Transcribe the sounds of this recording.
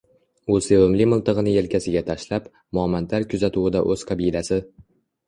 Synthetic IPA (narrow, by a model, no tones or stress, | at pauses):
ʊsewomlɪmʊlˠt̪ɨʁɨnɪje̞lkʲʰasɪɡʲat̪ʰaʃlap | mʊɒmant̪ʰaɾkʲʰʊzat̪ʰuwɪd̪aʔɵz̥qʰɑbilasɪ